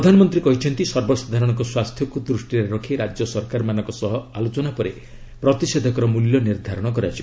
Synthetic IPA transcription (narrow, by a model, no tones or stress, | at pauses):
pɾɔd̪ʱanɔmɔnt̪ɾikɔɦit͡ʃʰɔnt̪isɔɾbɔsad̪ʱaɾɔɽ̃ɔkɔswast̪ʰjɔkud̪ɾusʈiɾeɾɔkʰiɾad͡ʒjɔsɔɾkaɾmanɔŋkɔsɔɦɔalot͡ʃɔnapɔɾe | pɾɔt̪ised̪ʱɔkɔɾɔmuljɔniɾd̪ʱaɾɔɽ̃ɔk̬ɔɾat͡ʃʰi